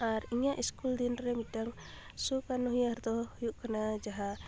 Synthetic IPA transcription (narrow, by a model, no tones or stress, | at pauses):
aɾiɲaʔiskuld̪inɾɛmitaŋ | sukanɔɦijaɾd̪ɔhujuʔkanad͡ʒaɦa